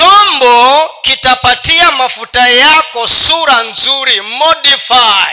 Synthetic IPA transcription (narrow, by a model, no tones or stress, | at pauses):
ɔmbɔkitapatiamafutajakɔsuɾanzuɾimɔdifai